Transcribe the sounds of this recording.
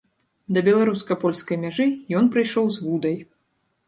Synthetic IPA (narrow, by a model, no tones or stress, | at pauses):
d̪ɐbʲɛlˠaɾuskɐpɔlʲskɐjmʲaʐɨjɔnpɾɨjʂɔwzvud̪ɐj